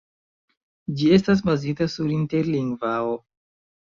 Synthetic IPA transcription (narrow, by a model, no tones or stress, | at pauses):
d͡ʒie̞stas̬bazitasuɾinte̞ɾliŋɡvao